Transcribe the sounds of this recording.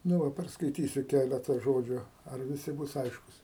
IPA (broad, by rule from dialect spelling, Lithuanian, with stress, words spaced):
nʊ ˈʋɐ pʲɛrskɐɪˈtʲiːsʲʊ ˈkʲælʲɛtɐ ˈʒoːd͡ʒʲʊ ɐr ʋʲɪˈsʲɪ ˈbʊs ˈɐɪʃkʊs